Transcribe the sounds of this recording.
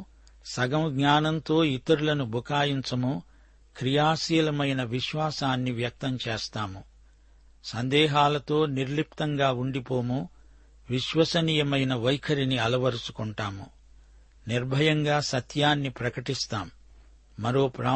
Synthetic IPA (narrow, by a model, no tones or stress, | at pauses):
sɐɡɐmɐɡɲaːnɐnt̪o̞ːit̪ɐɾulɐnubʱukaːjiɲt͡ʃɐmu | kɾijaːsijɐlɐmɐjnɐʋiʃʋaːsaːnːiʋjɐk̚t̪ɐmt͡ʃeːst̪aːmu | sɐnd̪ɛːɦaːlɐt̪o̞ːniɾlip̚t̪ɐŋɡaːuɳɖipo̞ːmu | ʋiʃʋɐsɐniːjɐmɐjnɐʋɐjkʰɐɾiniɐlɐʋɐɾusu̥kuɳʈaːmu | niɾbʱɐjɐŋɡaːsɐt̪ʰjaːnːipɾɐkɐʈist̪aːmː | ɐɾoːpɾaː